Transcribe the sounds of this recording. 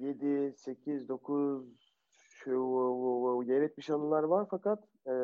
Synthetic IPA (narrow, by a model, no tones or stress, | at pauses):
je̞d̪ise̞cʰizd̪o̞kʰuz | ʃ | ɟeɾɛc̚mʲiʃanɯlˠaɾvaɾfakat̪